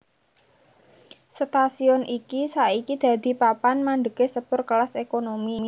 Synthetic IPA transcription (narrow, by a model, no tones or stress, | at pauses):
st̪asiɔnʔikisaikid̪̥a̤d̪̥i̤papanmaɳɖ̪əkesəpʊrkəlasekonomim